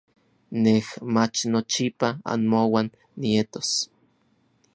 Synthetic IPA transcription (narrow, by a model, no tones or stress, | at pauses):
nehmat͡ʃnot͡ʃipaa̰nmowanː | iet̪o̥s